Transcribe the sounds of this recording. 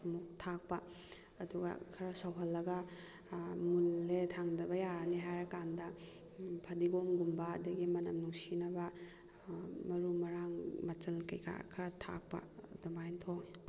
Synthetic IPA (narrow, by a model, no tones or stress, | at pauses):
muk̚tʰak̚pɐː | duɡɐ̰kʰɐɾɐsɐwɦɐlːɐɡɐ | munːetʰaŋdɐbɐjaniɦajɾɐkandɐ | pʰɐdiɡomɡumbɐːdɐɡimɐnɐmnuŋsinɐbɐ | mɐɾumɐɾaŋmɐt͡ʃɐlkɐ̰jka̰kʰɐɾɐtʰa̰k̚pɐ̰dɐmajntʰoŋ